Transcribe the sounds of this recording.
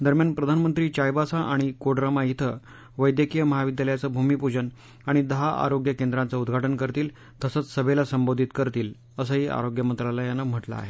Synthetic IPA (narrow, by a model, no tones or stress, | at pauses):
d̪əɾmjanpɾəd̪ʱanmənt̪ɾiːt͡ɕajbasaʔaɽ̃ikoɽɾəmajit̪ʰə | ʋəjd̪jəkijəməɦaʋid̪jaləjat͡səbʱumipud͡ʑən | aɽ̃id̪əɦaʔa̰ɾoɡjəkend̪ɾant͡səud̪ɡʱaʈənkəɾt̪iːl | t̪əsət͡ssəbʱelasəmbod̪ʱit̪kəɾt̪iːl | əsəɦiʔa̰ɾoɡjəmənt̪ɾalajanːam̤əʈla̰a̰ɦe